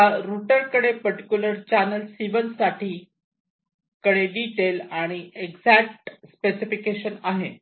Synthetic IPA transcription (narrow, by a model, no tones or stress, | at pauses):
jaɾuʈəɾkəɽepəɾʈikjuləɾt͡ɕænəlsiʋənsaʈʰiː | kəɽeɖiʈelaɽ̃ieɡd͡zæk̚ʈspesifikeɕənaɦe